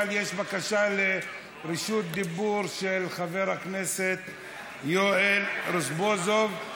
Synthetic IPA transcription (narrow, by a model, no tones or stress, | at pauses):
ljeʃbakaʃale̞ | ʁiʃut̪̚d̪ibuɾʃelχave̞ʁhaknese̞t̪ | joelɾosbozov